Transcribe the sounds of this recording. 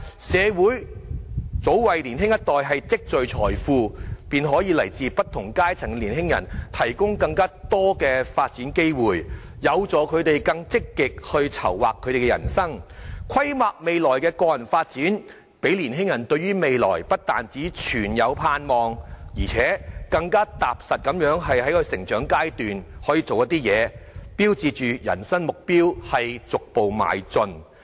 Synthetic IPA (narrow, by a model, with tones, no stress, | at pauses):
sɛː˨˧wuː˨˥j | t͡so˨˥wwɐ˨jliː˨˩nɦɪ˥ŋjɐ˥t̚t̪ɔː˨jɦɐ˨jt͡sɪ˥k̚t͡sɵ˨ɥt͡sʰɔː˨˩jfuː˧piː˨nɦɔː˨˥jiː˨˧lɐ˨˩jt͡siː˧pɐ˥t̚t̪ʰʊ˨˩ŋkaː˥jt͡sʰɪ˨˩ŋliː˨˩nɦɪ˥ŋjɐ̰˨˩nt̪ʰɐ˨˩jkʊ˥ŋkɐ˧ŋkaː˥t̪ɔː˥kɛː˧faː˧t̚t͡siː˨˥nke˥jwuː˨j | jɐ˨˧wt͡sɔː˨˧kʰɵ˨˧ɥt̪e˨jkɐ˧ŋt͡sɪ˥kːɪ˨k̚hɵ˧ɥt͡sʰɐ̰˨˩wwa̰ː˨kʰːɵ˨˧ɥɾe˨˩kɛ˧jɐ˨˩nsɐ˥ŋkʷʰɐ˥jmaː˨k̚me˨jlɔː˨˩jkɛː˧kɔː˧jɐ˨˩nfaː˧t̚t͡siː˨˥n | pe˨˥jliː˨˩nɦɪ˥ŋjɐ˨˩nt̪ɵ˧ɥyː˥me˨jlɔː˨˩jpɐ˥t̚t̪aː˨nt͡siː˨˥t͡ʃʰyː˨˩njɐ˨˧wpʰaː˧nmɔː˨˧ŋjiː˨˩t͡sʰɛː˨˥kɐ˧ŋkaː˥t̪aː˨p̚sɐ˨t̚kɐ˨˧˥mjœː˨˥ŋɦɐ˨jhɐ˨˥jkʰɵ˧jsɪ˨˩ŋt͡ʃœː˨˥ŋkaː˥jt̪yː˨nhɔː˨˥jiː˧t͡so˨wjɐ˥t̪iː˥jɛː˨˧piː˥wt͡siː˧t͡ʃyː˨jɐ̰˨˩nsɐ˥ŋmʊ˨k̚piː˥whɐ˨jt͡sʊ˨k̚po˨wma̰ː˨˩jt͡sɵ˧n